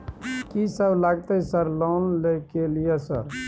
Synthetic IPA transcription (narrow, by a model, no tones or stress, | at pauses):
kisəbʱlaɡt̪əsəɾlɔnlekelijesə̰ɾ